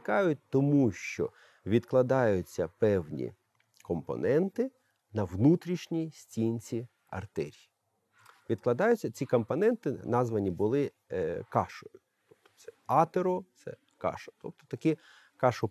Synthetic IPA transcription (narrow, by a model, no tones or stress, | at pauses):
kɑjʊt̚ʲt̪ɔmuʃt͡ʃɔ̰ | ʋʲid̪klˠɐd̪ɑjʊt͡sʲːɐpɛwnʲḭ | kɔmpɔ̰nɛnt̪ɪ | nɐwnut̪ɾʲiʃnʲisʲtʲinʲt͡sʲi | ɐ̰rt̪ɛɾʲji | ʋʲid̪klˠɐd̪ɑjʊt͡sʲːɐt͡sʲikɔmpɔnɛnt̪ɪnɑzʋɐnʲibʊlˠɪ | kɑʃɔjʊ | t̪ɔpt̪ɔ̥sɛɑt̪eɾɔt̪sɛ̰ | kɑ̰ʃɔ̥t̪ɔp̚t̪ɔ̥t̪ɐkʲɛ | kɑʃɔ